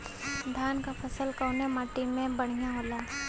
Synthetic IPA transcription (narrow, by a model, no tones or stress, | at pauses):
d̪ʱjaːnkapʰɐsəlkaʊnemaːʈimẽbɐɽ̤̃ijaɦoːlaː